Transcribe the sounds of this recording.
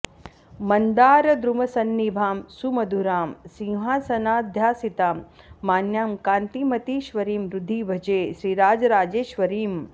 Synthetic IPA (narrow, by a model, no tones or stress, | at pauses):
mɐnd̪aːɾɐd̪ɾumɐsɐnːibʱaːmsumɐd̪ʱuɾaːmsĩŋɦaːsɐnaːd̪ʱjaːsit̪aːmː | aːnjaːmkaːnt̪imɐt̪iːʃʋɐɾiːmɾud̪ʱːibʱɐd͡ʒeːʃɾiːɾaːd͡ʒɐɾaːd͡ʒeːʃʋɐɾiːm